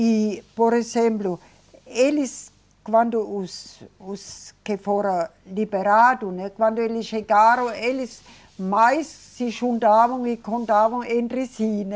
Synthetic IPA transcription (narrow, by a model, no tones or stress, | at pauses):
ipoɾesemblu | elis | kʋand̪oususkefoɾalibeɾaːdunekʋand̥̪ueliʃeɡaːɾoelis | majsːiʃundaːʋoŋikʰond̪aːʋoŋend̪risiːne